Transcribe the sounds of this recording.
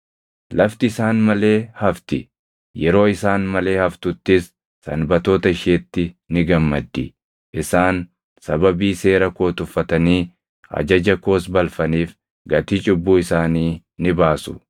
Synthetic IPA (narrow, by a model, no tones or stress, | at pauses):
lɐft̪ɪːsaːnmɐle̞ːhɐft̪ɪ | jɛɾo̞ːɪsaːnmɐle̞ːhɐft̪ʊt̪ːɪsː | ɐ̰nbɐt̪o̞ːt̪ɐɪʃeːt̪ːɪnɪɡɐmːɐd̪ːɪ | ʔɪsaːn | sɐbɐbiːse̞ːɾɐko̞ːt̪ʊfːɐt̪ɐniː | ɐ̰d͡ʒɐd͡ʒɐko̞ːsbɐlfɐniːf | ɡɐt̪it͡ʃʼɪbːuːɪsaːniː | nɪbaːsʊ̥